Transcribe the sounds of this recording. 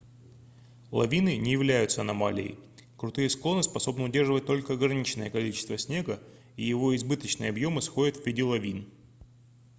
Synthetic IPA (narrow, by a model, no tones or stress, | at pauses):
lˠɐ̰vʲinɨnʲɪjɪvlʲæjʊt̪səɐnɐma̰lʲɪ̰ɪ̰kɾʊt̪ɨjəsklˠo̞nɨspɐso̞bnəʊdʲe̞rʐɨvət̚ʲt̪o̞lʲkəɐɡɾɐnʲit͡ɕnəjəkɐlʲit͡ɕɪst̪vəsʲnʲeɡə | ijɪvo̞ɪzbɨt̪ət͡ɕnɨjəɐbjo̞mɨsxo̞dʲɪt̪vʲvʲɪdʲilˠɐvʲin